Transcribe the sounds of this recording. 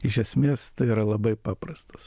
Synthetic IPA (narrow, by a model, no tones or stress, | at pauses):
ɪʃʲɛsʲmʲeːst̪ɐɪiɾɐlˠɐbɐɪpɑːprɐst̪ɐ̥s